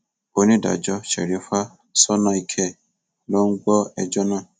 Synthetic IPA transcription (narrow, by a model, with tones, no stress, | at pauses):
o˦ni˦da̰˨d͡ʒɔ˦t͡ʃɛ̰˨ɾi˨˦fa˦ | sɔ˦na˦i˨kʰe˦˨ | lo˦ŋ̩˦ɡɔ˦ɛ̰˦d͡ʒɔ˦nã˦˨